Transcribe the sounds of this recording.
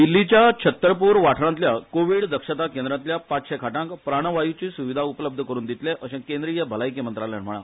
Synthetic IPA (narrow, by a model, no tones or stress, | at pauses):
d̪ilːit͡ɕjat͡ɕʰət̪ːɾəpuːɾʋaʈʰɳant̪ljakoʋiɽd̪əkʂət̪akẽnd̪ɾãnt̪ljapat͡sɕekʰaʈãŋkpɾaɽ̃əʋajut͡ɕiːsuʋid̪ʱaupələb̚d̪ʱəkəɾuːnd̪it̪leʔəɕẽkẽnd̪ɾijəbʱəlajkemənt̪ɾaljanm̤əɭ̃a